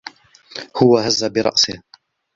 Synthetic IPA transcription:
hʊwahazːabɪɾˤɑ̰ʔsɪh

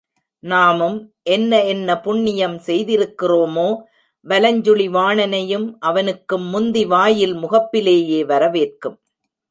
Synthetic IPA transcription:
naːmɯmʔɛnːɐɛnːɐpʊɳːɪjɐmsɛjðɪɾɯkːɪroːmoː | ʋɐlɐɲd͡ʒɯɭɪʋaːɳɐnɐjɯmʔɐʋɐnɯkːɯmːʊnd̪iʋaːjɪlmʊɣɐpːɪleːjeːʋɐɾɐʋeːrkɯm

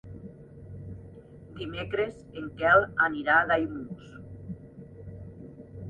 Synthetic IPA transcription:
d̪imekɾezeŋkɛlaniɾaðajmus

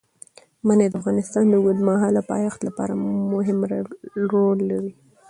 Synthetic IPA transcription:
maned̪əafɣɑnɪst̪ɑnd̪əɡʊd̪maɦɑlapɑ̰jɑxt̪lapɑ̰ɾamʊɦɪmɾɾolːaɾi

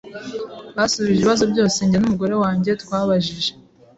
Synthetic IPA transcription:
βasuβiʒeβiβazo̞bɟo̞ːse̞ɲɟeanumuɡo̞ɾe̞waːɲɟe̞twaːβaʒiʒe̞

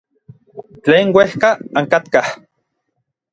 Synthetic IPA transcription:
t͡ɬeːŋwehkaaŋkat̪kah

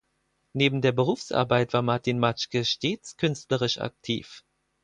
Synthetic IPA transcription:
neːbm̩deːɐbəʁ̞uːfsʔa̰ɐbaɪtv̥aːɐmaɐtinmat͡ʃkəʃteːt͡skʰʏnstləʁɪʃa̰k̚tʰḭːf

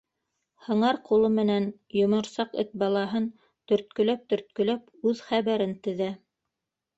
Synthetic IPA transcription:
hɤ̆ɴɑɾqulˠɤmɘ̆næn | jŏmŏɾsɑqɘ̰t̪̚bɑlˠɑɦɤn | t̪ɵ̆ɾt̪̚kɵ̆læp̚t̪ɵ̆ɾt̪̚kɵ̆læpʉðχæβæɾɘnt̪ɘ̆ðæ

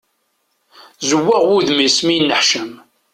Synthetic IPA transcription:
zəwːaʁwuðmisminːəħʃəm

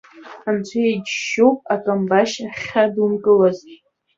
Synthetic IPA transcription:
ant͡ɕʷʰajed͡ʒʃowpʼakʼambaʃaχʲadumkʼɨlaztʼ

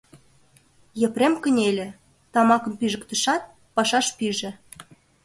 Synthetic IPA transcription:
jĕpremkə̆nʲelʲĕ | t̪ɑmɑkə̆mpiʒə̆kt̪ə̆ʃɑt̪̚ | pɑʃɑʃpiʒĕ

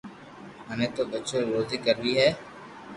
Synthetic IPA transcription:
ɦənẽːt̪oːbətːʃoɾoːd̪ikəɾʋiːɦɛː

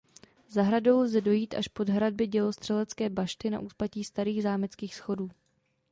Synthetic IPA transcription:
zaɦɾado̞wlzɛdo̞jiːt̪ʔaʃpo̞dɦɾad̚bɪɟɛlost̪r̝̥ɛlɛt͡skɛːbaʃt̪ɪna̰ʔuːsplaciːst̪aɾiːɣzaːmɪt͡skiːxsxo̞duː

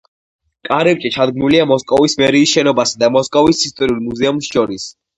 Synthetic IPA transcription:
kʼaɾɛɾt͡ʃʼit͡ʃʰad̪ɡmnuliamɔskʼɔvismɛɾiːsʃɛnɔbasad̪amɔskʼɔvisist̪ʼɔɾiulˠmuzɛumsʃɔɾis

